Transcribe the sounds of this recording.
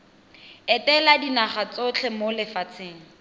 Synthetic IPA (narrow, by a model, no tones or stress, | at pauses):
ɛtɛladinaχat͡sot͡ɬʰɛmolɪfat͡sʰeːŋ̩